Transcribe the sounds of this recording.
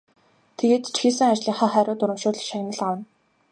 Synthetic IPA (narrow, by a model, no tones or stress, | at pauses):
t̪ʰeɣeːt̪t͡ɕxiːs̬ɘ̆ŋat͡ɕɮiːŋχaːχæːɾʊːt̪ʊɾɪ̆mʃʊːɮ̆ʃaɣʲnə̆ɮawə̆n